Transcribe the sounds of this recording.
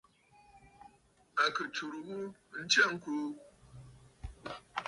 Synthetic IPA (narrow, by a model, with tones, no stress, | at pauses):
a˨kɨ˨t͡ʃu˨ɾu˨ʔu˦n̩˦t͡ʃe˦˨ŋ̩˦ku˦